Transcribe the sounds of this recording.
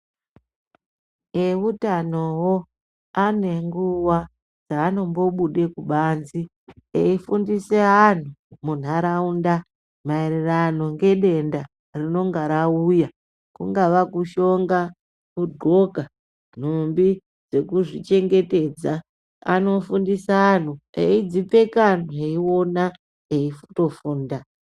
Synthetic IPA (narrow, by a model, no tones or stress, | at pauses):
eutano̞wo̞ | ane̞ŋɡuwa | d͡zaːno̞mbo̞ɓuɗe̞kuɓaːnzi | eifundise̞an̤umun̤aɾaunda | maererano̞ŋɡe̞ɗe̞nda | rino̞ŋɡaɾauja | kṵŋɡaʋakuʃo̞ŋɡa | kudʱo̞ka | n̤umbi | d͡ze̞kuʐit͡ʃe̞ŋɡe̞te̞ːd͡za | a̰no̞fundisaːn̤uḛid͡zipe̞kan̤ueiwo̞na | eifu̥to̞fuːnda